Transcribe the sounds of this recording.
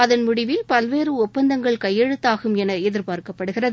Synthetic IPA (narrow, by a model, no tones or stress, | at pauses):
ɐðɐnmʊɽɪʋɪlpɐlʋeːrɯɔpːɐnd̪ɐŋɡɐɭkɐjːɛɻɯt̪ːaːɣɯmɛnɐɛðɪɾpaːɾkɐpːɐɽɯɣɪrɐð